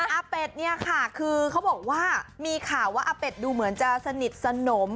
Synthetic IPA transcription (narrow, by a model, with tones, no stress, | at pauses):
ʔaː˧pe˨˩t̪̚ni˥˩ɐkʰa˥˩kʰɯː˧kʰa˦˥wbɔː˨˩k̚waː˥˩miː˧kʰaː˨˩wːaː˥˩ʔaː˧pe˨˩t̪̚duː˧mɯ˩˦ənt͡ɕa˨˩sa˧ni˨˩t̪̚sa˧no˩˦m